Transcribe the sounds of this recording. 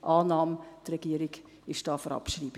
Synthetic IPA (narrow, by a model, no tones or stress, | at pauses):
ʔɑːnɑːmtrɛɡ̥iəɾɪɡ | ɪʃd̥ɑːfɔɾɑ̰pʃriːb